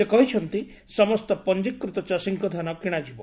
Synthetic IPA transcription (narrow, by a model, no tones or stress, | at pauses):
ekɔɦit͡ʃʰɔnt̪i | sɔmɔst̪ɔpɔnd͡ʒikːɾut̪ɔt͡ʃasiŋkɔd̪ʱanɔkiɽ̃ad͡ʒibɔ